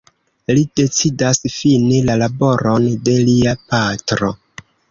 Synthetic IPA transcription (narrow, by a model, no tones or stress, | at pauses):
lid̥e̞t͡sidasfinelalabo̞ɾo̞nde̞liapatɾo̞̰